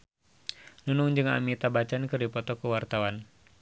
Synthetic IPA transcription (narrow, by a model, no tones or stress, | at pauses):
nunʊŋd͡ʒɨŋa̰mit̪abat͡ʃankɨrdipɔt̪ɔkəwart̪awan